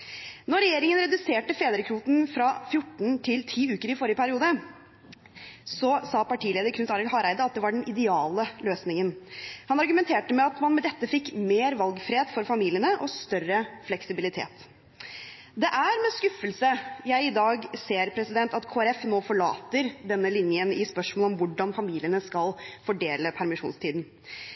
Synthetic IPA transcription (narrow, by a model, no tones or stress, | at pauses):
nɔɾɛjeːɾɪŋənɾɛd̪ʉseːʈəfeːd̪əɾəkʰɾuːt̪n̩fɾɑfjʊʈːɳn̩t̪ʰɪlt̪ʰiːʉːkəɾɪfɔɾɪjəpʰæɾɪuːd̪ə | sɔsɑːpɑʈʰiːleːd̪əɾkʰʉnt̪ɑɾɪlhɑːɾæɪd̪əɑt̪̚d̪ɛʋɑɖɛnʔɪd̪ɛɑːləløːsnɪŋənhɑnɑɾɡʉmɛnt̪ʰeːʈəmɛɑt̪mɑnmɛd̪ɛt̪ːəfɪkːmeːɾʋɑlɡfɾeːd̪fɔɾfɑmiːlɪənəʔɔst̪œrəflɛksɪbɪlɪt̪ʰḛːt̪ | d̪ɛʔæɾmɛskʉfəlsəjæɪɪd̪ɑːɡseːɾpʰɾɛsɪd̪ɛnt̪ɑt̪kʰoːɛɾɛfnoːfɔɭɑ̰ːt̪əɾd̪ɛnːəlɪnjənɪspœʂmɔlɔmʋʊɖɑnfɑmiːlɪənəskɑlfɔɖeːləpʰæɾmɪʂṵːnst̪ʰiːd̪n̩